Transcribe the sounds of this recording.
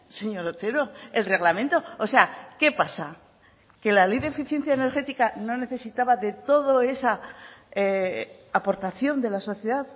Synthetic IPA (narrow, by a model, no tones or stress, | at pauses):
se̞ɲo̞ɾot̪e̞ɾo̞e̞lre̞ɣlamẽnt̪o̞ose̞ake̞pasa | ke̞lalejðe̞fiθje̞nθjaene̞ɾxe̞t̪ikano̞ne̞θe̞sit̪aβaðe̞t̪o̞ðo̞e̞sa | po̞ɾt̪aθjo̞nd̪e̞laso̞θjeðað